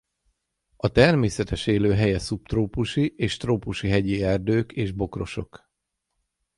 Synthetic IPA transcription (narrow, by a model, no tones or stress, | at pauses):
ɒt̪ɛrmeːsɛt̪ɛʃeːløːɦɛjɛsupt̪roːpuʃiʔeːʃt̪roːpuʃiɦɛɟiɛrd̪øːkeːʒbo̞kro̞ʃo̞̰k